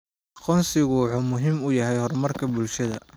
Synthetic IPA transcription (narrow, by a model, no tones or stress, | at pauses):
ʔɑqɔːnsɪɣʊħʊmʊɦiːmʊjɐɦɛjhɔrmɐrkʰɐbʊlʃɐðɐ̰